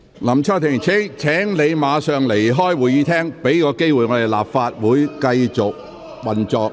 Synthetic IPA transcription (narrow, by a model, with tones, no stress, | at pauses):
lɐ˨˩mt͡sʰaː˥wt̪ʰɪ˨˩ŋt͡sʰɪ˥ŋt͡sʰɛː˨˥ŋle˨˧jmaː˨˧˥sœː˨ŋle˨˩jɦɔː˥jwuː˨jiː˨˧t̪ʰɛː˥ŋpe˨˥jkɔː˨˧ke˥jwuː˨jŋɔː˨˧d̪e˨˩jla̰ː˨p̚faː˧t̚wuː˨˥jkɐ˧jt͡sʊ˨k̚ | wɐ˨nt͡sɔː˨k̚